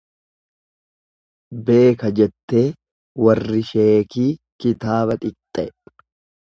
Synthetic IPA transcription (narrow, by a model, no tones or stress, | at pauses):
be̞ːkɐd͡ʒɛt̪ːe̞ː | wɐrːɪʃe̞ːkiː | kɪt̪aːβɐt̪ʼɪkt̪ʼːɛʔ